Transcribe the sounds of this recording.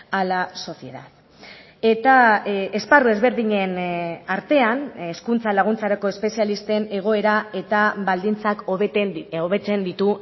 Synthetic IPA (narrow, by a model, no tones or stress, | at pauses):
alaso̞sie̞ða̰ð | e̞t̪aesparue̞zβe̞ɾðiɲe̞naɾt̪e̞aneskunt͡salaɣ̞unt͡saɾako̞e̞spe̞sialist̪e̞ne̞ɣ̞o̞e̞ɾae̞t̪aβald̪int͡sak̪ | oβe̞t͡se̞nd̪it̪u